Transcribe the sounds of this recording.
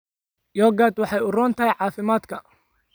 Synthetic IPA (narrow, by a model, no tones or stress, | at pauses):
jɔːɡad̪wɑħɑjʊrɔːnt̪ʰɐɦjʕɑːfɪmaːd̪kʰɐ